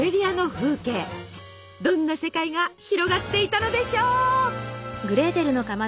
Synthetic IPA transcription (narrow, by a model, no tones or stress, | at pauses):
eɾʲiano̞ɸɯ̟ːke̞ː | d̪õ̞nːase̞kaiɡaçiɾo̞ɡat̪ːe̞it̪ano̞d̪e̞ɕo̞ː | ɡɯ̟ɾe̞ːt̪e̞ɾɯ̟no̞kama